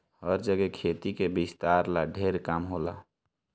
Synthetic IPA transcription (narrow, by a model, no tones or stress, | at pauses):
həɾd͡ʒəɡɛkʰeːt̪ikebɪst̪aːɾlaɖʱeɾkamɦoːla